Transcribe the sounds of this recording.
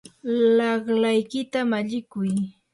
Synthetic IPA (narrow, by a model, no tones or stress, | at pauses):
lɑχlajkɪt̪amaʎɪkʊj